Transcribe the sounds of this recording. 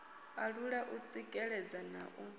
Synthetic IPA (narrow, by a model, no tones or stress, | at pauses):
aɺuɺaʔut͡sʼikʼɛɺɛd͡zana̰ʔu